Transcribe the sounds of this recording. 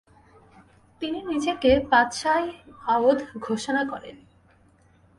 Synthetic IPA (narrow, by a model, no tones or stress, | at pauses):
t̪ininid͡ʑekepat̪ʃajaod̪ʱɡʱoʃonakɔɾḛn